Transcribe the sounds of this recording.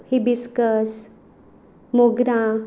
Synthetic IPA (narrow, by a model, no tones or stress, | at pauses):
hibiskəs | moɡɾã